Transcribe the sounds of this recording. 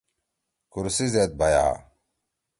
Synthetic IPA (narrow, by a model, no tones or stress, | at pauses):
kuɾsizet̪̚baja̰